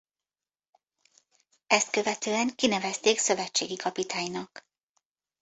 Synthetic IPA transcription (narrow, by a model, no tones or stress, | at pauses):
ɛst̪̚kø̞vɛt̪øːɛŋkinɛvɛst̪eːksø̞vɛt͡ʃːḛːɡikɒpit̪aːɲnɒk